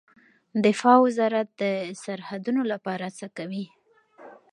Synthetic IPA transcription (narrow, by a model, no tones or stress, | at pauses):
d̪ɪfɑwɪzɑɾat̪̚d̪əsaɾhad̪unolapɑɾat͡səkawi